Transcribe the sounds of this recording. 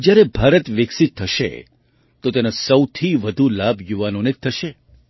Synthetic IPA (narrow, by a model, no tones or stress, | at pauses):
d͡ʒjaɾebʱaɾət̪ʋɪksit̪ʰːəʃḛ | t̪ot̪enasəwt̪ʰiʋəd̪ʱulabʱjuʋanonet̪̚ʰːəʃe